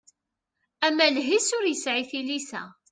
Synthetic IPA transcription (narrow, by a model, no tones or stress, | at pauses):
æmːælɦisʊɾjəsʕiθilisæ̰